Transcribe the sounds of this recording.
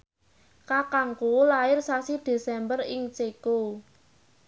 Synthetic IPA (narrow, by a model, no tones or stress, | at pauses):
kakaŋkulaɪrsasid̪̥e̤sɛmbərɪŋt͡ʃeku